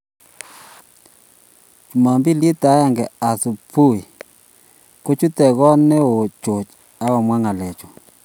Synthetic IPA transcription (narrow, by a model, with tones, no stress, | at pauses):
u˨ma˨mbi˦li˦ta˨˦ɛ˦ŋɡɛ˨a˨sʊ˨pu˦˨i˨ | ko˦t͡ʃu˦tɛ˨ɡɔ˦nɛ˦o˨t͡ʃo˨t͡ʃ | a˦ɔ˨mwa˦ŋa˨lɛ˨t͡ʃɔ˨